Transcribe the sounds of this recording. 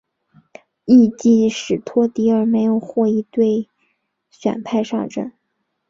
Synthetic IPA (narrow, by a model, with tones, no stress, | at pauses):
i˥˧t͡ɕi˥˩ʂɻ̩˨˩t̪ʰwɔ˥t̪i˧˥ə˞˨˩me˧˥ɪjo˨˩ʊxwɔ˥˩i˧˥˩t̪we˥˩ɪ | ɕɥɛ̰˨˩npʰa˥˧ɪʂɑ̰˥˧ŋʈ͡ʂə̰˥˩n